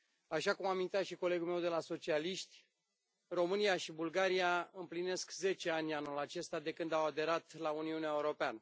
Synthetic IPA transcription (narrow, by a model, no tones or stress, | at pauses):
aʃakumamint̪at̪ʃiko̞le̞ɡulme̞wd̪e̞laso̞t͡ʃialiʃt̪ʲ | ro̞mɨnijaʃibulɡaɾiaɨmpline̞skze̞t͡ʃe̞anʲanulat͡ʃe̞st̪ad̪e̞kɨnd̪awad̪e̞ɾat̪launiuneaeuɾo̞peanə